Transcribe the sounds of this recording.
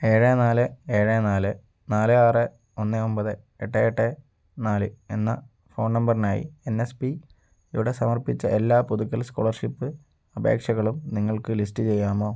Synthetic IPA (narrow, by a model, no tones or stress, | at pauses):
e̞ːɻenaːlɨe̞ːɻenaːlɨ | naːlɨaːrɨ | onːɨo̞mbɐðɨ | eʈːeeʈːe | naːlɨenːɐ̰ | fo̞ːɳnɐmbɐrinaːjḭe̞nːespi | juɽe̞sɐmɐrpit͡ɕːɐʔelːaːpuðukːɐlsko̰ːɭɐrʂipːɨ | ɐbʱḛːkʂɐɣɐɭumniŋːɐɭkɨlistːɨt͡ɕe̞jːaːmo̞ː